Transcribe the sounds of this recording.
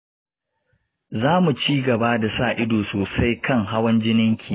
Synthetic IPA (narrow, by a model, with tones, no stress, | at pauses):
zaː˦mu˨t͡ʃiː˦ɡɐ˨ba˦da˨saː˦˨ʔɪ˦doː˨soː˨sa˦jkɐ˦ŋɦa˦wɐ˦nd͡ʒɪ˦nɪ˦ŋkʲʰiː˨